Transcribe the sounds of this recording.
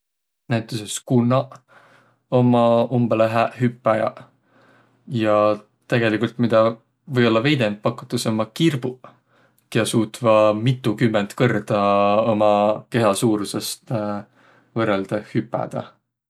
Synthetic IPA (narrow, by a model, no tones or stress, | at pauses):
næjt̪ːˑuseskunːɑ | o̞mɑumb̥eleɦæhypːˑɑjɑ̰ | jɑ | t̪eɡ̥e̞likult̪mid̪̥ɑ | vɤjo̞lːɑve̞jd̪e̞np̚pɑkːˑu̥t̪ːˑɑsomːɑkirb̥u | keɑsuːt̪vɑmit̪ːˑukymːent̪kɤrd̪̥ɑomɑke̞ɦɑsuːɾusest̪ | vɤrːeld̪̥ɑhypːˑæ̰d̪̥ɑ̰